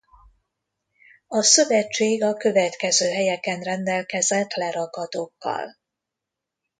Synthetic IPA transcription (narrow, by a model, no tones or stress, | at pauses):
ɒsø̞vɛt͡ʃːeːɡɒkø̞vɛt̪kɛzøːɦɛjɛkɛnrɛnd̪ɛlkɛzɛt̪lɛɾɒɡɒd̪oːkːɒ̰l